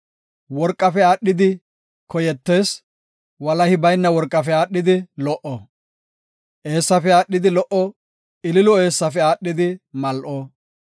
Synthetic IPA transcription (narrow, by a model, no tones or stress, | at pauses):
wɔɾkʼːɐfɛaːɗːɪd̪ɪ | kɔjɛt̪ːe̞ːs | wɐlɐhɪbɐjnːɐwɔɾkʼːɐfɛaːɗːɪd̪ɪlɔʔɔ | ʔe̞ːsːɐfɛaːɗːɪd̪ɪlɔʔɔ | ɪlɪlɔe̞ːsːɐfɛaːɗːɪd̪ɪmɐlʔoː